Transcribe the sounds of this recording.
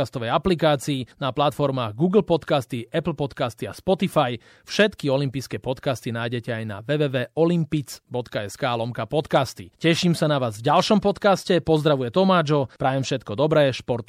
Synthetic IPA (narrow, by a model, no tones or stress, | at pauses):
ast̪ɔʋɛjaplikaːt͡siːnaplat̪fɔɾmaːɣɡuːɡl̩pɔt̪kast̪iʔɛpl̩pɔt̪kaːst̪ia̰spɔt̪ifaj | fʃɛt̪kiɔlimpijskɛːpɔt̪kast̪inaːjɟɛcɛajna̰ʋɛʋɛːʋɛːɔlimpit͡sbɔt̪kaɛskaːlɔmkapɔt̪kaːst̪ḭcɛʃimsanaʋaːzvɟalʃɔmpɔt̪kascɛpɔzd̪ɾaʋujɛt̪ɔmaːd͡ʒɔpɾaːʋɛmfʃɛt̪kɔd̪ɔbɾɛːʃpɔɾt̪